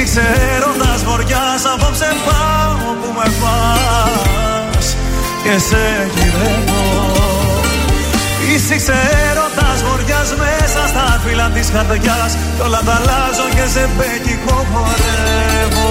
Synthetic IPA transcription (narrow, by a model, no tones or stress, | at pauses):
ikseɾo̞nd̪ɐzmo̞ɾʝɐsɐpopsenpɐvopumepɐ | s | cese | ciðevo | isikseɾo̞nd̪ɐzmoɾʝɐzmesɐst̪ɐfilɐt̪isxɐɾt̪ecɐs | colɐt̪ɐlɐzo̞cezebecikopoɾe | vo